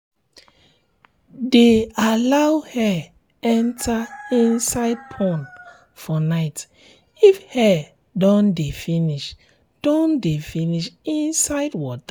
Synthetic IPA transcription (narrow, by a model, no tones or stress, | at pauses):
dealawhɛ | ɛ̃ntʰaĩnsaɪd̚pʰɔ̃n | fɔnaɪt | ifhɛ | dɔ̃ndefĩniʃ | d̥ɔ̃ndefĩniʃĩnsaɪdwɔta